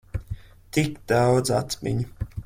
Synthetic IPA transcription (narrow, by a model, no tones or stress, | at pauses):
t̪ikd̪awd̪zat̪mḭɲu